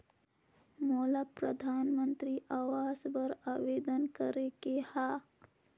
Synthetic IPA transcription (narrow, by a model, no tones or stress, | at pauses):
moːlapɾəd̪ʱaːnmənt̪ɾiʔaːʋaːzbəɾaːʋeːd̪ənkəɾekehaː